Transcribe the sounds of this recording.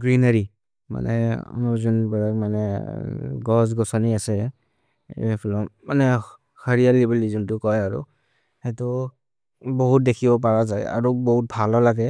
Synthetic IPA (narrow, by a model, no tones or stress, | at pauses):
ɡɹinaɹi | ma̰nɛ̰ɔ̰nɔzunbɛɹakmanɛ | ɡɔs̬ɡɔsɔniasɛ | pʰɔlɔmanɛ | kaɹijalibilizɔntʊkɔjaɹṵ | hɛtʊ | bɔɦut̚dekʰibɔp̬aɹazaja̰ɹubɔɦut̚bʱalɔlaɡɛ